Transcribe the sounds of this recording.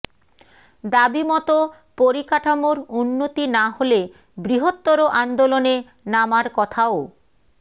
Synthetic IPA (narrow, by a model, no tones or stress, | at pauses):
d̪abimɔt̪o | poɾikaʈʰamoɾunːot̪inaɦole | bɾiɦot̪ːoɾoʔand̪olone | namaɾkɔt̪ʰao